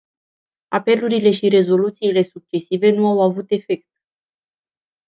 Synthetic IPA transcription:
ape̞luɾile̞ʃiɾe̞zo̞lut̪siːle̞suk̚t͡ʃe̞sive̞nuawavut̪e̞fe̞k̚t̪̚

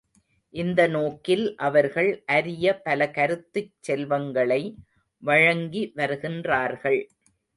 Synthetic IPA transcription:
ʔɪnd̪ɐnoːkːɪlʔɐʋɐɾɣɐɭʔɐɾɪjɐpɐlɐkɐɾɯt̪ːɯt͡ʃt͡ʃsɛlʋɐŋɡɐɭɐɪ | ʋɐɻɐŋɡiʋɐɾɯɣɪndraːɾɣɐɭ

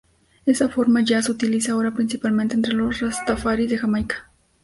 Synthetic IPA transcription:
esafoɾmaʒaseut̪ilisaoɾapɾinsipalmẽnt̪ent̪ɾelorast̪afaɾiðexamajkḁ

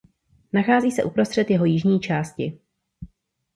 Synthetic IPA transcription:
naxaːziːsɛʔupɾo̞st̪r̥ɛt̪jɛɦo̞jɪʒɲiːt͡ʃaːscɪ

